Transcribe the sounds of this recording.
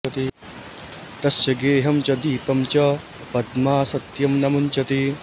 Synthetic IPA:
ɐt̪i | t̪ɐsjɐɡeːɦɐmt͡ʃɐd̪iːpɐmt͡ʃɐ | pɐd̪maːsɐt̪jɐmnɐmunt͡ʃɐt̪i

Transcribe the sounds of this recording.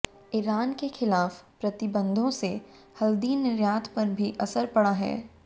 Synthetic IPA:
ɪɾaːnkexɪlaːfpɾɐt̪ɪbə̃nd̪ʱõse | hɐld̪iːnɪɾjaːt̪ʰpɐɾbʱiʔɐsəɾpɐɽaɦɛ̰ː

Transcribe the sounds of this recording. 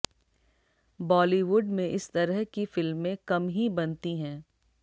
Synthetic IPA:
bɔːliʋʊɖmẽʔɪst̪ɐɾəɦkifɪlmːẽkɐmɦibɐnt̪iɦɛ̃ː

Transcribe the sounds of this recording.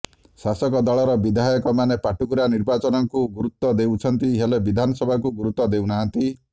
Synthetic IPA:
sasɔkɔd̪ɔɭɔɾɔbid̪ʱajɔkɔmanepaʈʰukuɾaniɾbat͡ʃɔnɔŋkuɡuɾut̪ːɔd̪ewt͡ʃʰɔnt̪iɦelebid̪ʱanɔsɔbʱakuɡuɾut̪ɔd̪ewnaɦant̪i

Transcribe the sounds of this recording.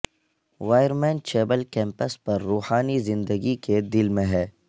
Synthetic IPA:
ʋaːjəɾmɛ̃ːnt͡ʃeːbəlkɛ̃ːmpəspɐɾːuːhaːnizɪ̃nd̪əɡiked̪ɪlmẽɦɛː

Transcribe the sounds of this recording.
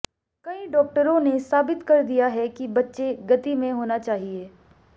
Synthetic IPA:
kɐĩɖɔːk̚ʈəɾõnesaːbɪt̪kɐɾd̪ijaɦɛkibɐtːʃeɡɐt̪imẽɦoːnat͡ʃaːɦieː

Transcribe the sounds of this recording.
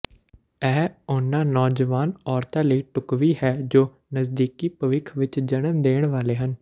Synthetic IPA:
ɛːʊnãːnɔːd͡ʒəʋaːnɔːɾt̪ãːləiːʈʊkʋiːhɛːd͡ʒoː | nəsd̪iːkiːpəʋɪkʰʋɪt͡ʃd͡ʒəñəmd̪eːɳ̃ʋaːleːɦən

